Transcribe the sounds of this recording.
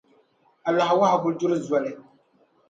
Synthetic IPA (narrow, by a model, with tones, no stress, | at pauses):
a˨la˨hwa˦ha˨ɡʊ˨˦dʊ˦ɾɨ˦za˨lɪ˨